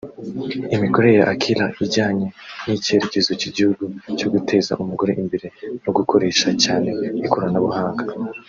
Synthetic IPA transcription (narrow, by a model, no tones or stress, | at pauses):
imiko̞ɾe̞jaʔakʰilaʔiɟaːɲe̞nicie̞ɾece̞zociɟihuɡut͡ʃo̞ɡutʰe̞ːza̰ʔumuɡo̞ɾeʔimbeɾe̞noɡukʰo̞ɾe̞ːʃacaːne̞ikuɾanaβuhaːŋɡa